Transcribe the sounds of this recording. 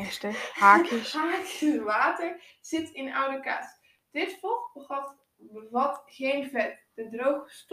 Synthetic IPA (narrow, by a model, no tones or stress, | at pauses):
ɛstəhaːkʰəkəʋaːtəɹsɪtɪna̰wdəka̰s | d̥ɪtfɔxbəχɔf | ʋɔthenfɛt̚d̥ədrowxəst